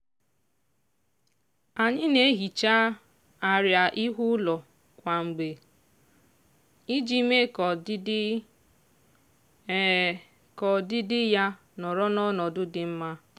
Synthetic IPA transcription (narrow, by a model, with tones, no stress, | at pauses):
a˨ɲɪ˦ne˦ɦi˨t͡ʃa˦ | a˨ɾja˨ʔi˦ɦʊ˦lɔ˨ | kʷa˨ŋ͡m̩˨ɡ͡be˨ | i˦d͡ʒi˦me˦k | kɔ˨dɪ˦dɪ˦ja˦ | nɔ˨ɾɔ˦nɔ˦nɔ˨dʊ˦dɪ˨m̩˦ma˦